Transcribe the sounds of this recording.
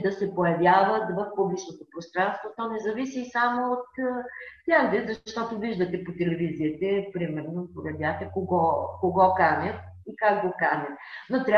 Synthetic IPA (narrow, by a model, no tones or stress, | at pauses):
d̪ɐsɛpojɐvjavɐt̪vɐfpublit͡ʃnot̪opɾost̪ɾanst̪vot̪ɔnɛzɐvisiːsamoot̪t̪ʲaɡd̪ɛzɐʃt̪ɔt̪ʊviʒd̪ɐt̪ɛpot̪ɛlɛviziət̪ɛpɾimɛɾnopojɐd̪vʲjat̪ɛkoɡɔkoɡɔkanɛt̪̚ | ikakɡokanɛt̪not̪ɾʲa